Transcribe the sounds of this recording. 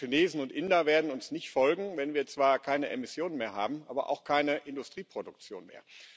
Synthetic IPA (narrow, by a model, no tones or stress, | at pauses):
ineːzn̩ʊntʔɪndɐveːɐdn̩ʊnsnɪçtfɔlɡŋ̩vɛnviːɐt͡sv̥aːɐkʰaɪnəʔemɪsjoːnənmeːɐɦa̰ːbm̩ʔa̰ːbɐ̰ʔa̰ʊxkʰaɪnəʔɪndʊstʁ̥iːpʁ̥odʊk̚t͡sjo̰ːnmḛːɐ